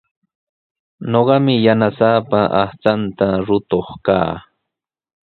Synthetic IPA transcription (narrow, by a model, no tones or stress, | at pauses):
noɢɑmɪjanasaːpaʔaht͡sant̪aɾʊt̪oχka̰ː